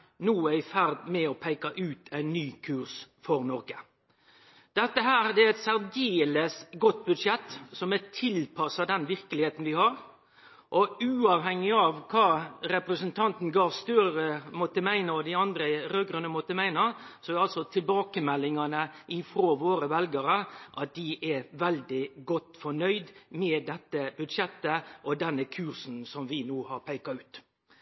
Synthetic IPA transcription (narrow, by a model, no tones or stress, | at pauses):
nuːæɪfæɾd̪mɛɔpʰæɪkɑʔʉːt̪ʰæɪnːyːkʰʉːɾsfɔɾnɔɾɡə | d̪̥ɛt̪ːəɦæːɾd̪ɛæɛt̪sæɾɡeːləsɡɔt̪̚ːbʉd̪ʂɛt̪ːsɔmɛt̪ʰɪlpʰɑsɑd̪ɛnʋɪɾkəlɪheːt̪n̩ʋɪhɑɾ | ʔɔʉːɑʋhɛŋːɪɑʋkʰɑːɾɛpɾəsənt̪ʰɑnt̪n̩ɡɑːʋst̪œɾəɾəmɔt̪ːəmæɪnəɔd̪ɪɑnd̪ɾəɾøːɡɾənəmɔt̪ːəmæɪnɑsɔɛɑlsɔt̪ʰɪlbɑːkəmɛlːɪŋɑnəʔɪfɾoːʋoːɾəʋɛlɡəɾəʔɑt̪̚d̪̥ɪʔɛʋɛld̪ɪɡɔt̪ːfɔɳœʏd̪mɛːd̪ɛt̪ːəb̥ʉd̪ʂɛt̪ːəʔɔd̪ɛnːəkʰʉːɾsn̩sɔmʋɪnuːhɑɾpʰæɪkɑʉːt̪